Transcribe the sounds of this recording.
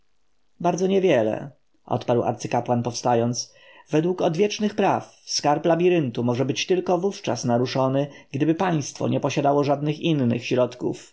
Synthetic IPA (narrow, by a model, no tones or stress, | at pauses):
baɾd̪zɔɲɛvʲjɛlɛ̰ | ʔɔ̰t̪paɾwa̰ɾt̪sɘkapwanpɔfst̪ajɔnt̪s | vɛd̪wukɔd̪vʲjɛt͡ʂnɘxpɾafskaɾplabʲiɾɘnt̪umɔʐɛbɘt͡ɕt̪ɘlkɔvuft͡ʂasnaɾuʂɔnɘɡ̥d̪ɘbɘpaj̃st̪fɔ̰ɲʔɛpɔɕad̪awɔʐad̪nɘxinːɘ̰xɕɾɔt̪kṵf